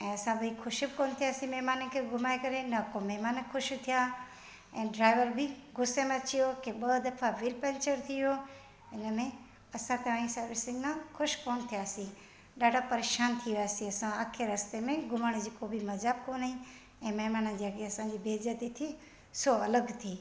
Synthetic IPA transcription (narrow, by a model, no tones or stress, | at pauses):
ɛ̃ːɐsãbɐikʰʊʃibkoːnt̪ʰijasĩmɛɦmaːnənkʰeɡʊmaːekɐɾenɐkomɛɦmaːnkʰʊʃt̪ʰija | ɛ̃ːɖɾaːɪʋəɾbʱiɡʊsːemẽɐt͡ʃijokeɓəd̪ɐfʰaʋɪlpɛ̃ːnt͡ʃəɾt̪ʰɪjo | ɪnəmẽ | ɐsãt̪ɐʋãĩsəɾʋɪsɪ̃ŋɡnãkʰʊʃkoːnt̪ʰijaːsĩ | ɖaːɖapɐɾeːʃaːnt̪ʰiasĩɐsãaːkʰeɾɐst̪emẽɡʊmaːɽ̃ed͡ʒikoːbʱimɐd͡ʒaːbkoːnaɦĩ | ɛ̃ːmɛɦmaːnə̃nd͡ʑiəɡeɐsãːd͡ʒiːbeːd͡ʒət̪it̪ʰi | soɐləɡt̪ʰiː